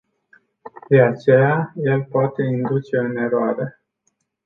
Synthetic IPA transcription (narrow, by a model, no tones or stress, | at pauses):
d̪̥e̞at͡ʃe̞jaje̞lpoat̪e̞ind̪ut͡ʃe̞ɨne̞ɾoaɾe̞